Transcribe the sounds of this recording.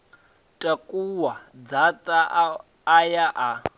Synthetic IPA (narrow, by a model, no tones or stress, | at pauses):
tʼakʼuwad͡zatʼaː | jaʔa